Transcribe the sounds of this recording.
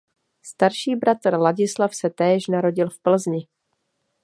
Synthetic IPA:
st̪aɾʃiːbɾat̪r̩laɟɪslafsɛt̪ɛːʃnaɾo̞ɟɪlfpl̩zɲɪ

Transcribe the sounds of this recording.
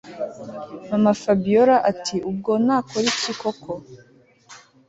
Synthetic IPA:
namafabijoɾaʔatʰiʔub̚ɡo̞naːkʰoɾiciko̞kʰo

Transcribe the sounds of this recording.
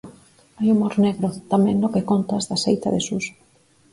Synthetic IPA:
ajumoɾneɣɾot̪amẽŋnokekont̪azðasejt̪aðesus

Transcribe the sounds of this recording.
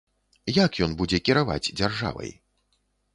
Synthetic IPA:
jakjɔnbud͡zʲɛkʲiɾava̰d͡zʲd͡zʲarʐa̰vɐ̰j

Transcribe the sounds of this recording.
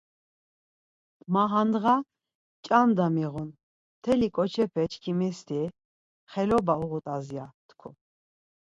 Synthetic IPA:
maɦand̪ʁa | t͡ʃʼamd̪amiʁun | t̪ʰɛlikʼɔt͡ʃʰɛpʰɛt͡ʃʰkʰimɛst̪ʰi | χɛlɔbauʁut̪ʼazjat̪kʰu

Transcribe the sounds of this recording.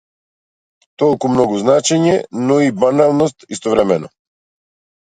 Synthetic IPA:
t̪ɔlˠkumnɔɡuznat͡ʃɛɲɛnɔibanalˠnɔst̪ist̪ɔvɾɛmɛnɔ

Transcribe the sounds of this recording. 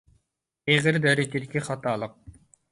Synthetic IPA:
iːʁiɾd̪æɾit̪iɾkiχat̪aːlˠɯq̚

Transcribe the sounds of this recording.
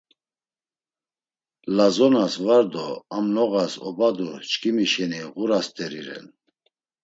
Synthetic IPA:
lazɔnasvaɾd̪ɔamnɔɣasɔbad̪ut͡ʃkʰimiʃɛniʁuɾast̪ʼɛɾiɾɛ̰n

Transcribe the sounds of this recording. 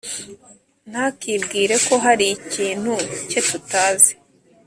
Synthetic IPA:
n̥haːkibɡiːɾe̞ko̞ɦaɾiciːn̥huce̞tutaːze̥

